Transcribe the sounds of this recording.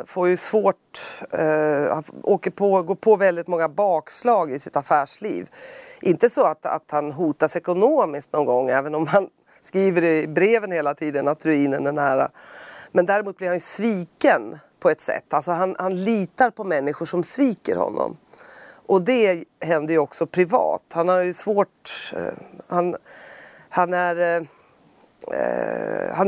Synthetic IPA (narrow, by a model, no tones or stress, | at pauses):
foɾjɵsvoːʈ | hanoːkəpʰɔɡoːɾpʰɔvɛld̪ɪt̪mɔŋːabɑːkslɑːɡɪsɪt̪afæːʂlḭːvʔɪnt̪əsɔat̪a̰t̪hanɦuːt̪asɛkʊnoːmɪskt̪nɔnɡɔŋːɛːvənɔmhan | skɾiːvəɾbɾeːvənheːlat̪ʰiːd̪ənat̪ʰɾʉiːnənɛɳæːɾa̰mɛnd̪æːɾɪmuːt̪̚blɪɾhanjɵsviːkənpʰɔɛt̪sɛ̰t̪ːalsɔɦanhanliːt̪aɾpʰɔmɛnːɪɧʊʂɔmsviːkə̰ɾhɔ̰nːɔ̰mʔɔd̪ɛɦɛnd̪əjɵɔksɔpʰɾɪvɑ̰ːt̪hanhaɾjɵsvoːʈ | han | hanæɾ | ha